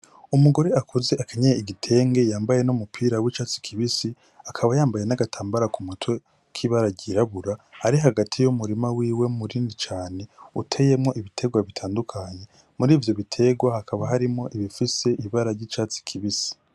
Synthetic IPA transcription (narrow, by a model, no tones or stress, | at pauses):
umuɡo̞ɾe̞akʰuze̞ʔakʰaɲejeiɡitʰe̞ːŋɡe̞jaːmbaje̞numupʰiːɾawit͡ʃaːt͡si̥kʰiβisi | akʰaβajaːmbaje̞naɡatʰaːmbaɾakumutwe | kʰiβaɾaɟiɾaβuɾahːɾiɦaɡatʰijumuɾimawiːwe̞muɾiːndit͡ʃaːne̞utʰe̞je̞mŋo̞ʔiβitʰe̞ɡwaβitʰaːndukʰaɲe̞ | muɾiːvjo̞βitʰe̞ɡwahakʰaβaɦaɾimŋo̞ʔiβifise̞ʔiβaɾaɾɟiːt͡ʃaːt͡si̥kʰiβisi̥